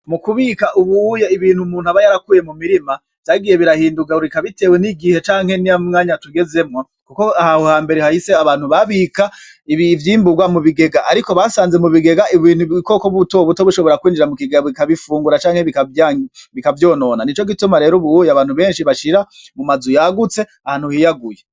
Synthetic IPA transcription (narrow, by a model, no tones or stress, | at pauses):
mukuβikaʔuβujaiβiːn̥humuːnhuaβajaɾakuːje̞mumiɾima | v̥taɡije̞βiɾahiːnduɡauɾikaβite̞ːwe̞niɡihe̞t͡ʃaːŋ̥he̞niamŋaːɲatuɡe̞ze̞mŋo | kukoahahohaːmbe̞ɾehahiseaβaːn̥huβaβika | iivjiːmbuɡwamuβiɡe̞ɡaʔaɾiko̞βasaːnzemuβiɡe̞ɡaʔiβiːn̥huβiiko̞koβuto̞βuto̞βuʃo̞βo̞ɾakwiːnd͡ʒiɾamukiɡaβikaβifuːŋɡuɾat͡ʃaːŋheβikaβikavjo̞ːno̞ːnanit͡ʃo̞ɡitumaɾe̞ːɾoβujaβaːnhuβe̞ːnʃiβaʃiɾa | mumazujaɡut͡se̞ | ahaːn̥uhijaɡuje